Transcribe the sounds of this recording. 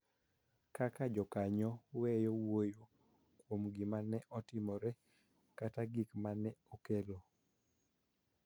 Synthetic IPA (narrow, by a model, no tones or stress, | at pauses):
kakad͡ʒɔkaɲɔwɛjɔwojo | kwomɡimanɛʔɔtɪmɔɾɛ | kataɡikmanɛokelo